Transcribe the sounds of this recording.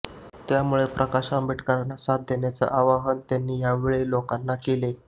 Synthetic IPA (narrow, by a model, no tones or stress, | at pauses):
t̪jamuɭepɾʔəkaɕaəmbʱiʈkəɾnasat̪̚d̪ʱjenjat͡sə̰ʔaʋaɦənt̪janːiːjaʋeɭelokanːakele